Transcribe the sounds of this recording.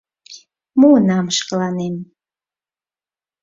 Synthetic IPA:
muənɑmʃkəlɑnem

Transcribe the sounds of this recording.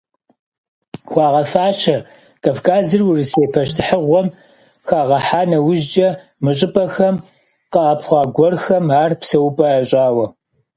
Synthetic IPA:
xʷɑːʁɐfaːʃʰɐ | kʼɐvkʰaːzɨrwʊriseːpʰɐʃtʰɨħəʁʷɔm | xaːʁɐħaːnɐwʊʒd͡ʒɐ | mɨɕʼɪpʼɐxɐm | qəʔɐpχʷɑːɡʷɔrxɐmaːrpsɐwpʼɐɐɕʼaːwɐ

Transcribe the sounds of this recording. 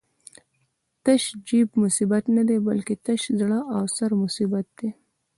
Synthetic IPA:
t̪aʃd͡ʒibmʊsibat̪nad̪ebalket̪aʃzɽaʔawsaɾmʊsibat̪̚d̪e

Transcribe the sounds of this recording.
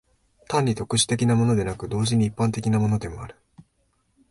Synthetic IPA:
t̪ãɲ̟ːit̪o̞kɯ̟ɕi̥t̪e̞kʲinamo̞no̞d̪e̞nakɯ̟d̪o̞ːʑiɲ̟iːpːãnt̪e̞kʲinamo̞no̞d̪e̞mo̞aɾɯ̟̥

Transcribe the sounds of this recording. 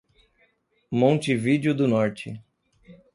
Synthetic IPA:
mõnt͡ʃɪvid͡ʒjʊd̪ʊnɔɾt͡ʃɪ̰

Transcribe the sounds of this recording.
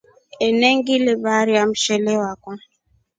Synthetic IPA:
ɛnɛŋɡilebaːɾiam̩ʃɛlɛwakɔ

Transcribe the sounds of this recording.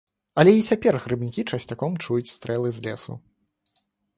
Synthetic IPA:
ɐlʲɛit͡sʲapʲɛrɣɾɨbnʲikʲit͡ʂɐsʲt͡sʲakɔmt͡ʂujut͡sʲst̪ɾɛlˠɨzʲlʲɛsṵ

